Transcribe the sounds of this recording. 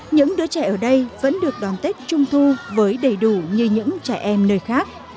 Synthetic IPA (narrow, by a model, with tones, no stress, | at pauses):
ɲɨ̰˧˥ŋɗɨ˨˦ət͡ɕa̰˧˩jʔəː˧˩ɗə˧jvə̰˧˥nɗɨ˨˩ək̚ɗɔ˨˩nt̪e˦˥t̚t͡ɕʊ˧ŋ͡mt̪ʰu˧vəː˨˦jɗə˧˩jɗu˧˩ɲɨ˧ɲɨ̰˧˥ŋt͡ɕaː˧˩jʔɛ˧mnəː˧jxaː˦˥k̚